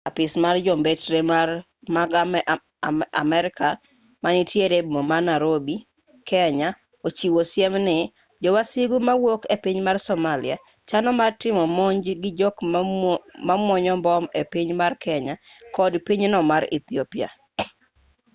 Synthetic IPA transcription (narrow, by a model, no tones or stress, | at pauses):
apɪsmard͡ʒɔmbetɾemar | maɡam | amɛɾɪka | manitjeɾebimomanaɾobi | kʰɛɲa | ot͡ʃiwosjɛmnɪ | d͡ʒɔwasiɡumawokepiɲmarsɔmalɪa | t͡ʃanɔmartɪmɔmɔɲd͡ʒɡɪd͡ʒɔk | mamwɔɲɔmbɔmepiɲmarkʰɛɲakɔdpiɲnɔmaɾḭt̪iopja̰